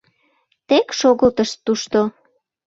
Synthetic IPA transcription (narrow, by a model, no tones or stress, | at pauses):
t̪ekʃoɣəlt̪əʃt̪ːuʃt̪o